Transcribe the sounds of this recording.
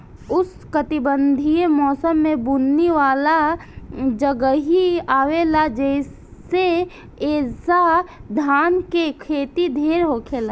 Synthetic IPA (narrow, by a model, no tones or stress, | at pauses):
ʊs | kət̪ibənd̪ʱiemɔːsəmːẽbunːiʋaːla | d͡ʒəɡəɦiaːwelad͡ʒɛɪs | e | eːsad̪ʱaːnkekʰeːt̪id̪ʱeːɾɦoːkʰelaː